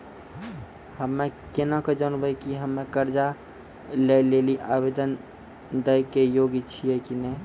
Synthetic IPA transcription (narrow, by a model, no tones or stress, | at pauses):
həmːekenaked͡ʒənbəjkiɦəmːekəɾd͡ʒa | lejleliʔabed̪ən | d̪əjkejoɡit͡ʃʰijɛkinɛ